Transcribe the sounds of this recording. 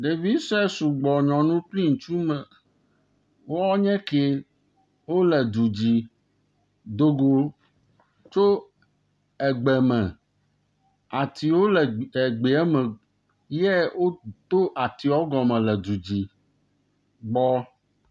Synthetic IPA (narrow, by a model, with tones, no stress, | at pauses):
ɖe˨vi˦sɛ˦su˨ɡ͡bɔ˨ɲɔ̃˨nũ˦k͡pli˦ŋ̩˨t͡ʃu˦mɛ˨ | wo˦ɔ˦ɲɛ̃˦ke˦ | wo˦lɛ˨d̪u˨d͡ʑi˨ | d̪o˦ɡo˦ | t͡ʃo˦ | ɛ˨ɡ͡bɛ˨mɛ̃˨ | a˨t̪i˨wo˦lɛ˨ɡ͡be˨ɛ˦mɛ̃˨ | je˦wo˦t̪o˦ʔa˨t̪i˨ɔ˦ɡɔ˨mɛ̃˨lɛ˨d̪u˨d͡ʑi˨ | ɡ͡bɔ˦